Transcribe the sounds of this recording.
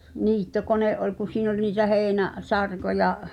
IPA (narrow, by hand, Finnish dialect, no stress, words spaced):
niːtːokoneʔ ʔolʲ kun̞̆ siːn ol niːtæ heːnæ sɑrkojɑ